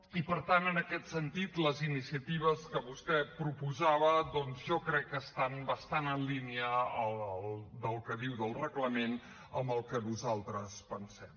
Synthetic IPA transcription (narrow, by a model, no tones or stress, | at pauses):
ipəɾt̪anənəkɛt̪sənt̪it̪ləzinisiət̪iβ̞əskəβust̪ɛpɾupuzaβəðɔnzʒɔkɾɛkːəst̪anbəst̪anənliniəəlˠəlˠd̪əlˠkəðiwðəlˠrəɣləmen | əmbəlˠkənuzalˠt̪ɾəspənsɛm